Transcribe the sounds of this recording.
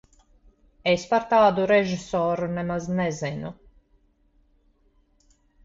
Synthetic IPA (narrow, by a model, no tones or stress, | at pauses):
espaɾt̪aːd̪uɾɛʒisɔːɾunɛmaznɛzɛnu